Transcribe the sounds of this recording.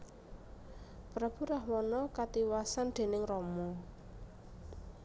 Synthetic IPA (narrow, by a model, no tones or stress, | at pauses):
pɾab̥ṳɾahwɔnɔkat̪iwasand̪̥e̤nɪŋrɔmɔ